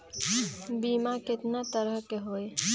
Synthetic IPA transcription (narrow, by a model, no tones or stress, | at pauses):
biːmakɪt̪nat̪əɾəɦkeɦoːe